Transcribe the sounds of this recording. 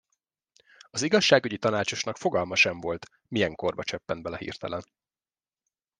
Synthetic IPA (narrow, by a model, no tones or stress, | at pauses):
ɒziɡɒʃːaːɡyɟit̪ɒnaːt͡ʃo̞ʃnɒkfo̞ɡɒlmɒʃɛɱvo̞lt̪ | mijɛŋko̞rbɒt͡ʃɛpːɛnt̪bɛlɛhḭːrt̪ɛlɛn